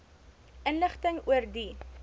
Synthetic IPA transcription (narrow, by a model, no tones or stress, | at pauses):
ʔənləχtəŋuərdi